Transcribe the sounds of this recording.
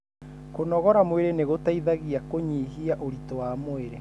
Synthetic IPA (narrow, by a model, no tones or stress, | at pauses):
konɔɣɔɾamweɾeneɣotaiðaɣiakoɲiɦiaʔoɾitɔwamoeɾe